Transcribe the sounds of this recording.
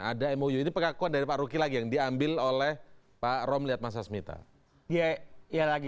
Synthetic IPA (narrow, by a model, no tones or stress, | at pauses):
a̰daemojuinipəkakuandaɾipaʔɾukilaɡijaŋdiambɪlolɛh | paɾɔmliɦat̪̚mas̬asəmit̪a̰ | diajalaɡi